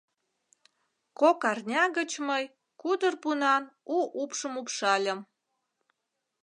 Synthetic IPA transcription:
kokɑrnʲɑɣət͡ɕməj | kud̪ərpunɑnuʔupʃəmupʃɑlʲə̆m

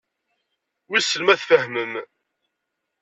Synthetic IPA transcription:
wisəlmæθfəhməm

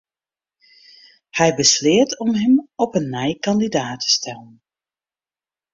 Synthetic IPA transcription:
hɛjbəslɪətɔmɦəmɔpənːɛjkɑndidaːtʰə̥stɛlən

